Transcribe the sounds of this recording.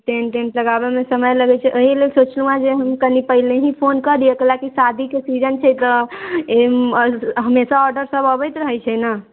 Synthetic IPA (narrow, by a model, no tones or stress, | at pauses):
ʈenʈenʈləɡabemesəməjləɡɛt͡ʃʰɛʔoɦilelsot͡ʃlũad͡ʒeɦəmkənipəɦileɦĩpʰonkəɾijekəlakisad̪ʱikesid͡ʒənt͡ʃʰɛjt̪ɔe | ɦəmesaɔɾɖəɾsəbəbəjt̪ɾəɦɛjt͡ʃʰɛna